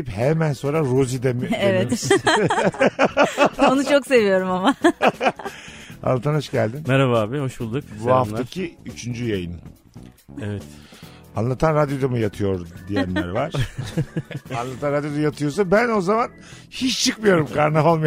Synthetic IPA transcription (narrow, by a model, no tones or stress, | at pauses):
phemænso̞nɾaɾozid̪emievɛ | onut͡ʃʰokse̞vijo̞ɾumama | a̰nlːˠat̪ʰanhɦoʃɟælʲd̪inmɛɾaβaːbiho̞ʃbulˠd̪ukbuaft̪acʰiyt͡ʃʰynd͡ʒyjajɯnɯ | evɛt̪ | anlˠat̪ʰanɾad̪jo̞d̪amɯjat̪ʰɯjo̞ɾd̪ijænlæ̰ɾvaɾ̥ | anlˠat̪ʰanɾad̪jo̞d̪ajat̪ʰɯjo̞ɾs̬abæno̞zaman | hit͡ʃt͡ʃʰɯkmɯjo̞ɾumkaɾnao̞lˠma